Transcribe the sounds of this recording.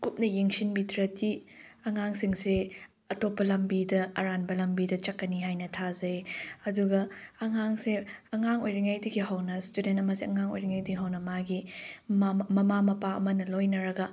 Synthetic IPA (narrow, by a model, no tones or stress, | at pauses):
kup̚nɐjeŋsinbitʰɾɐtʰiɐŋaŋsiŋse | ɐtopːɐlɐmbidɐːɾanbɐlɐmbidɐt͡ʃɐkːɐniɦajnɐtʰazɐjɐduɡɐːŋaŋseɐŋaŋojɾiŋajdɐɡiɦɐwnɐstudentɐmɐseɐŋaŋo̰jɾiŋajdiɡiɦɐwnɐmaɡi | mɐmamɐpaɐ̰mɐnɐlojnɐɾɐɡɐ